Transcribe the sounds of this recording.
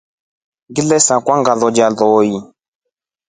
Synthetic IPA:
ɡilɛsakwaŋɡaðɔd͡ʒalɔːji

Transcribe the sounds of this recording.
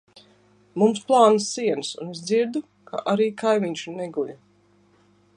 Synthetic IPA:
mumsplˠaːnɨsiɛnsṵnesd̪ziɾd̪u | kʰa̰ʔaɾiːkajmiɲʲʃuneɡulʲu

